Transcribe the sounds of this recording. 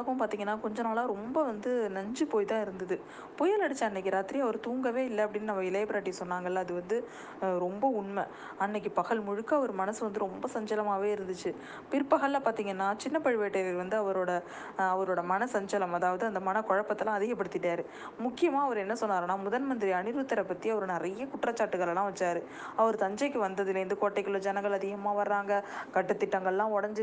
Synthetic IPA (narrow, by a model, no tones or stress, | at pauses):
ɣɐʊmpaːɾt̪iːŋɡɐnːaːkɔɲd͡ʒɐnaːlãːɾɔmbɐʋɐnd̪ɯnɐɲd͡ʒɯpoːjt̪ãːɪɾɯnd̪ɐðɯ | pɔjɐlɐɽɯt͡ʃːãɪnːɐkːɯɾaːt̪ːɪɾiɐʋɐɾɯt̪uːŋɡɐʋeːɪlːɐɐpːɐɽɪnːɯnɐmːɐɪlɐjbɐɾaːʈ̬ːisɔnːaːŋɡɐlːɐːðɯʋɐnd̪ɯ | ɾɔmbɐʊɳmɛ | ɐnːɐk̬ʲːɯpɐɣɐɭmʊɻɯkːɐʋɔɾɯmɐnɐsɯʋɐnd̪ɯɾɔmbɐsɐɲd͡ʒɐlɐmaːʋeːɪɾɯnd̪ɯt͡ʃːɯ | pɪɾpːɐɣɐɭːɐpaːɾt̪iːŋɡɐnːaːt͡ʃɪnːɐpɐɻɪʋeːʈːeʋɐɾʋɐnd̪ɯɐʋɐɾoːɽɐ | ɐʋɐɾoːɽɐmɐnɐsɐɲd͡ʒɐlɐmɐðaːʋɐðɯɐnd̪ɐmɐnɐkɔɻɐpːɐt̪ːɐlãːɐðɪɣɐpːɐɽɯt̪ːɪʈːaːɾɯ | mʊkːɪjɐmaːɐʋɐɾɛnːɐsɔnːaːɾɐnːaːmʊðɐnmɐnd̪ɪɾiɐnɪɾʋɯt̪ːɐɾɐpːɐt̪ːiɐʋɐɾɯnɪɾɐjɐkʊʈːrɐt͡ʃːaːʈːɯɣɐɭɛlãːʋɐt͡ʃːaːɾɯ | ɐʋɐɾɯt̪ɐɲd͡ʒɐɪkːɯʋɐnd̪ɐðɪlɐɾɯnd̪ɯkoːʈːɐɛkːɯɭɐd͡ʒɛnɐ̃ŋɡɐɭɐðɪɣɐmaːʋɐɾaːŋɡɐkɐʈːɯt̪ːɪʈːɐŋɡɐɭlãːɔɽɐɲd͡ʒɯ